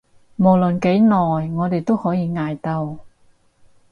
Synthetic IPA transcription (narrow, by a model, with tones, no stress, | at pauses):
mo˨˩wlɵ˨nke˨˥jnɔː˨˩jŋɔː˨˧t̪e˨jt̪o˥whɔː˨˥jiː˨˧ŋaː˨˧jt̪ɐ˧w